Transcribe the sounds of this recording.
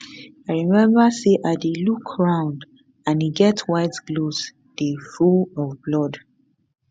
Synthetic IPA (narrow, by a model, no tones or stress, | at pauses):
aɪɹimɛ̃mbaseʔatelukʰɹãʊ̃nd | ãniɡɛtwaɪtɡlos | d̥efulɔvblɔd